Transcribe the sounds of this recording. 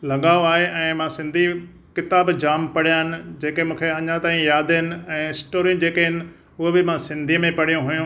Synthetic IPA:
lɐɠaːoaːɦeʔɛ̃ːmãsɪ̃nd̪ʱi | kɪt̪aːbd͡ʑaːmpɐɽ̤ijaːɦɪnɪ̆d͡ʑeːkemũːkʰeɐɲãt̪aːĩjaːd̪ɪnɪ̆ɛ̃ːɪsʈoːɾijũd͡ʑeːkəɦɪnɪ̆ | ʊɦobɪmãsɪ̃nd̪ʱiːəmẽpɐɽ̤ijũɦujũ

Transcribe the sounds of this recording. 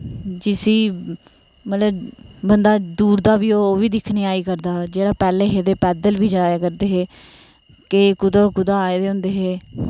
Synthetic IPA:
d͡ʒɪsiː | mət̪ləbbənd̪aːd̪uːɾd̪aːʋiːoːoːʋiːd̪ɪkʰniːaːiːkəɾd̪aːd͡ʒeːɽaːpɛːleːɦeːd̪eːpɛːd̪əlʋiːd͡ʒaːjaːkəɾd̪eːɦeː | kekʊd̪aɔːɾkʊd̪aːaːeːd̪eːɦʊ̃nd̪eːɦeː

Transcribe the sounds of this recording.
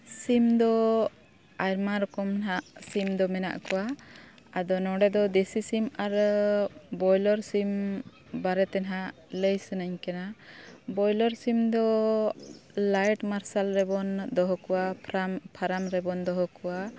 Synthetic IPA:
simd̪ɔ | ajɾmaɾɔkɔmnɦaʔsimd̪ɔmɛna̰ʔkɔwa | ad̪ɔnɔ̃ɖɛd̪ɔd̪esisimaɾ | bɔjlɔɾsim | baɾɛt̪ɛnɦaʔ | ləjsənaɲkanabɔjlɔɾsimd̪ɔ | lajʈmaɾsalɾɛbɔnd̪ɔɦɔkɔwapʰɾampʰaɾamɾɛbɔnd̪ɔɦɔkɔwa

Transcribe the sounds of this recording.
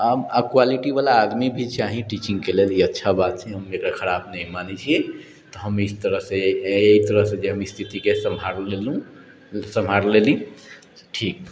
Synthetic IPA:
abakwaliʈibalaːd̪mibʱit͡ʃʰaɦĩʈit͡ʃĩŋɡkeleliətːʃʰabat̪̚t͡ʃʰɛɦəmekɽakʰəɾabnəɦĩmanit͡ʃʰie | t̪ɔɦəmist̪əɾəɦsẽeit̪əɾəɦsẽd͡ʒeɦəmist̪ʰit̪ikesəmaɾlelũ | səmɦaɾlelĩ | ʈʰiːk̚

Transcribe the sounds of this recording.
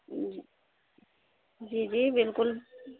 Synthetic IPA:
d͡ʒid͡ʒibilkul

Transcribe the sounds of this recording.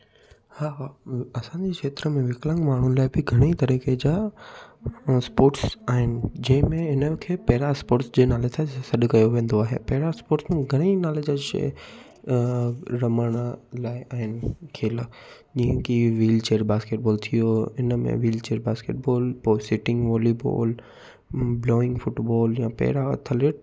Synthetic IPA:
haːʋaɐsãɲd͡ʑeːkʂeːt̪ɾəmẽʋɪklə̃ŋɡmaːɳ̤unɪ̆laːɪbɪɡʱɐɽ̃it̪ɐɾiːked͡ʑaː | spoːʈsaːɦɪnɪ̆d͡ʑɐ̃ɦɪ̃mẽɦɪnəkʰeːpɐɦɪɾaspoːɾʈsd͡ʑeːnaːlet̪ʰasɐɗkɐjoʋẽːn̆d̪oaːɦḛpɐɦɪɾaspoːɾʈsmẽɡʱɐɽ̃inaːled͡ʑaḛ | ɾɐməɽ̃laːɪʔaːɦɪnɪkʰeːl | d͡ʑiːɦə̃kiʋiːlt͡ɕeːəɾbaːskeːʈ̚bɔːlt̪ʰijoɪnəmḛ̃ʋiːlt͡ɕeːɾbaːskḛːʈ̚bɔːlpoːɪsɪʈɪ̃ŋɡʋɔːlibɔ̰ːl | bloːɪ̃ŋɡfʊʈbɔːljãpɛ̰ːɪɾat̪ʰɐleːʈ

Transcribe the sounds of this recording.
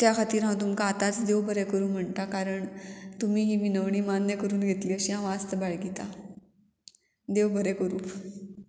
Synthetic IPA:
t̪jakʰat̪iːɾɦãt̪̬umkaːt̪at͡sd̪eʋbʱəɾɛkəɾuːm̤əɳt̪akaɾəɳt̪um̤iːɦiːʋinəʋɳ̃iːmanjəkəɾuːnɡʱet̪liːəɕiːɦãʋast̪əbaɭɡit̪a | d̪ewbʱəɾɛkəɾuː

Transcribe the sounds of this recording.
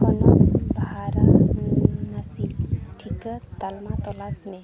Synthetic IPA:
ɔnɔbʱaɾa | nasilʈʰikət̪almat̪ɔlasne

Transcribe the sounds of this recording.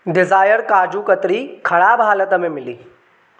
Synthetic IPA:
ɖɪzaːjəɾkaːd͡ʒuːkət̪ɾiːkʰɐɭaːbʱaːlət̪əmemɪlḭː

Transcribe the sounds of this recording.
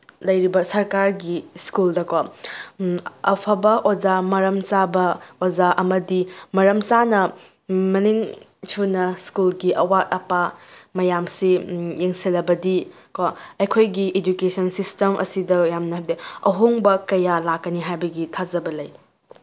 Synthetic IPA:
lɐjɾibɐsɐɾkaɾɡiskuldɐkʰo | ɐpʰɐbɐʔod͡ʒamɐɾɐmt͡ʃabɐozaʔɐmɐdimɐɾɐmt͡ʃanɐ | mɐniŋ | sʰunɐskulɡiʔɐwat̚ɐpamɐjamsijeŋsilɐbɐdi | kʰoɐjkʰojɡied͡ʒukesɐnsistemʔɐ̰sidɐjamnɐɦabdɐɐɦoŋbɐkɐjalakːɐniɦajbɐɡitʰazɐbɐlɐj

